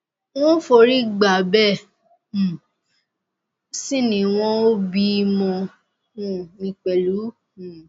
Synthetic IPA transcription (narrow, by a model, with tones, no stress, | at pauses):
w̃ɔ̃˦fo˧ɾi˦ɡ͡ba˨bɛ˦˨ | si˦nĩ˧˨w̃ɔ̃˦o˦bi˦˧mɔ̃˧˦˨ | nĩ˧k͡pɛ˨lu˨˦˨